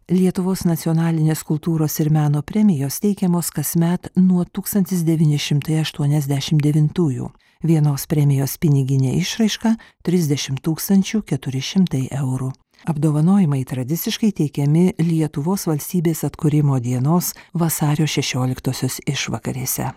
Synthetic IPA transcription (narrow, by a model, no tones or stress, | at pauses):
lʲiɛt̪ʊʋoːsnɐt̪sʲiɔnɑːlʲɪnʲeːskʊlˠt̪uːɾoːsɪɾmʲæːnoːpʲɾʲɛmʲɪjoːst̪ʲɛɪkʲɛmoːskɐsʲmʲɛt̪nuɔt̪uːkst̪ɐnʲt̪ʲɪsd̪ʲɛʋʲiːnʲɪʃʲɪmt̪ɐɪɐʃt̪uɔnʲɛzʲd̪ʲæʃʲɪmd̪ʲɛʋʲɪnt̪uːjṵː | ʋʲiɛnoːspʲɾʲɛmʲɪjoːspʲɪnʲɪɡʲɪnʲḛːʔɪʃɾɐɪʃkɑt̪ʲɾʲɪzʲd̪ʲɛʃʲɪmt̪uːkst̪ɐnʲt͡ʃʲuːkʲɛt̪ʊɾʲɪʃʲɪmt̪ɐɪʔɛʊɾu | ɐbd̪oːʋɐnoːjɪmɐɪt̪ɾɐd̪ʲɪt̪sʲɪʃkɐɪt̪ʲɛɪkʲɛmʲɪlʲiɛt̪ʊʋoːsʋɐlʲsʲt̪ʲiːbʲeːsɐt̪kʊɾʲɪmoːd̪ʲiɛnoːsʋɐsɑːɾʲoːʃʲɛʃʲoːlʲɪkt̪oːsʲoːsɪʃʋɐ̰kɐɾʲiːsʲɛ̰